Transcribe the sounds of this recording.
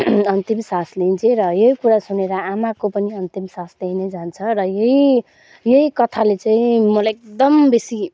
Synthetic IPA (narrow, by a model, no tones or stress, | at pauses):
ʌnt̪imsasleint͡sʰeɾʌjeɦikuɾasuneɾʌamakopʌniʌnt̪imsasleɦined͡zant͡sʰʌrʌjʌɦi | jʌikʌt̪ʰalet͡saĩmʌlaek̚d̪ʌmbesi